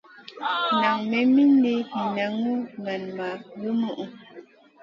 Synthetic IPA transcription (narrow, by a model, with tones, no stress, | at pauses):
na˨ŋmɛ˨mi˦n˦de˦i˨na˨ŋu˦na˨nma˨ɣə˦mu˦ʔu˨